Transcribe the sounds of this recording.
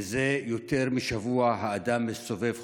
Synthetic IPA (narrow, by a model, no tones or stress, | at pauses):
zejo̞t̪e̞ʁmiʃavuaɦaːd̪amːeso̞ve̞v